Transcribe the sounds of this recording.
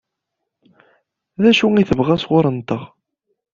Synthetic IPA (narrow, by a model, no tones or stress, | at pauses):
ðæʃuiθəvʁæsʁʊɾˤənt̪əʁ